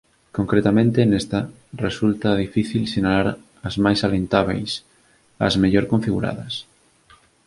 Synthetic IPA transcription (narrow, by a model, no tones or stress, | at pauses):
koŋkɾet̪amẽnt̪enest̪a | result̪ɐð̞ifiθilsenalaɾ | ɐzmajsalent̪aβ̞ḛjs | ɐ̰zmeʎoɾkoɱfiɣṵɾa̰ðɐs